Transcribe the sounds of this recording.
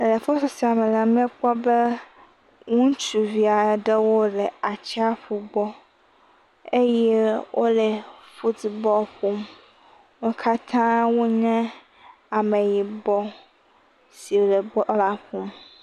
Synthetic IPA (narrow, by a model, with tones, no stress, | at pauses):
le˨fo˦sɔ˨si˨a˨mɛ˨la˨mɛ̃˦k͡pɔ˦be˦ | ŋũ˦t͡ʃu˨vi˨a˨ɖɛ˦wo˦ɖɛ˨a˨t͡ɕɛ˦a˦ɸu˨bɔ˦ | e˦jɛ˦wʔo˦lɛ˨ɸu˦di˨bɔ˦ɸu˦m | wu˦kʰa˦t̪ʰã˦wo˦ɲɛ̃˦ | a˨me˨ji˨bɔ˦ | si˨wo˨lɛ˨bɔ˦la˦ɸu˦m